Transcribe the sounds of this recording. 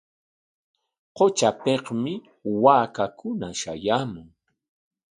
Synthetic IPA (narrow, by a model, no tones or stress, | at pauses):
qot͡ʃapeqmɪ | waːkakʊnaʃa̰jaːmʊŋ